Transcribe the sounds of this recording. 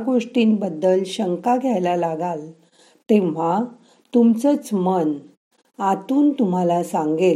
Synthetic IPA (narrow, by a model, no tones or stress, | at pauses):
ɡoʂʈiːnbəd̪ːəlɕəŋkaɡʱjajlalaɡal | t̪ẽʋ̤a | t̪umt͡sət͡smən | at̪uːnt̪um̤alasaŋɡe